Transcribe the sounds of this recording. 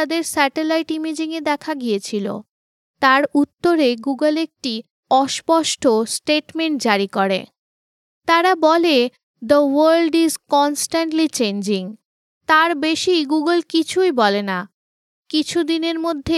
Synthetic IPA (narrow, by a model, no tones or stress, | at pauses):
ad̪eɾsɛʈelajʈimid͡ʑiŋed̪ɛkʰaɡijet͡ɕʰilo̰ | t̪aɾut̪ːoɾeɡuɡəlek̚ʈi | ɔʃpɔʃʈosʈeʈmeɳʈ̚d͡ʑaɾikoɾḛ | t̪aɾabɔle | d̪əwəɾlɖizkɔnsʈaɳʈlit͡ɕend͡ʑiŋ | t̪aɾbeʃijɡuɡəlkit͡ɕʰujbɔlena | kit͡ɕʰud̪ineɾmod̪ʱːe